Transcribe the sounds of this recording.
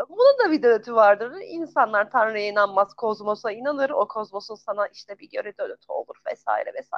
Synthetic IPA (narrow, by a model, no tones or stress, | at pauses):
bunund̪abid̪ølʲøt̪ʰyvaɾd̪ɯɾinsanlˠaɾt̪ʰanɾɯjainanmazkʰozmosainanɯɾokʰozmosunsanaʔiʃt̪ʰɛbiɟø̞ɾɛd̪øløt̪ʰyo̞̰lˠuɾvɛ̰sa̰ːḭɾɛvɛsa̰